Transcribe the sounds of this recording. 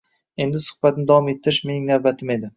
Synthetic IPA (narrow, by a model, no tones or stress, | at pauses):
e̞nd̪ɪsʊ̥hbat̪nɪd̪avɒmet̪ʰːɪɾɪʃme̞nɪiŋnavbat̪ʰɪme̞d̪ɪ